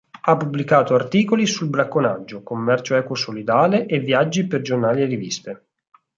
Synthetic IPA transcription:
apːubːlikaːt̪oart̪iːkolisulbɾakːonad͡ʒːokomːɛrt͡ʃoɛːkosolid̪aːleʔevːjad͡ʒːiperd͡ʒornaːlierivist̪e

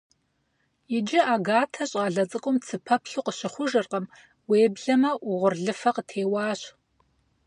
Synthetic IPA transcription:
jɪd͡ʒɪʔaːɡaːtʰɐɕʼɑːɮɐt͡sʼɨkʷʼʊmt͡sʰɨpʰɐpʰɬuːqəɕɪχʷʊʒɨrqəm | weːbɮɐmɐʔʊʁʷʊrɮɨfɐqətʰeːwɑːɕ

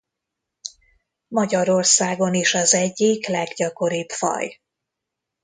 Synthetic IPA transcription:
mɒɟɒɾo̞rsaːɡo̞niʃɒzɛɟːiklɛɡɟɒko̞ɾiːt̪fɒ̰j

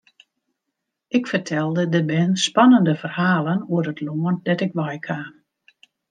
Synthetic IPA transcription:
ɪkfərtʰɛlˠdədəbɛnspanəndəfərhaːlənuərətʰloəndɛtɪkʋajkʰaː

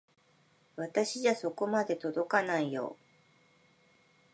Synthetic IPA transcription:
βat̪aɕiʑaso̞ko̞mad̪e̞t̪o̞d̪o̞kanaijo̞̰ː

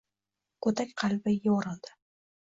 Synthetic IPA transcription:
kʰɵt̪ʰakʲqʰɑlbɪjawɒɾɑlˠd̪ɪ̥

